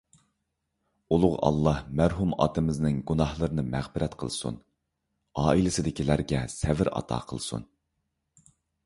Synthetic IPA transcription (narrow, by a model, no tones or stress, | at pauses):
ulˠʊʁɑ̰lˠːɑhmæɾɦumɑ̰t̪ɨmɪznɪŋɡunɑhlˠəɾɨnɨmæʁbɪɾɛt̪qʰə̰lˠsṵn | ɑːilɪsɪd̪ɪkʲilæɾɡʲɛsɛvɪɾɑ̰t̪ʰɑ̰ːqʰəlˠsṵn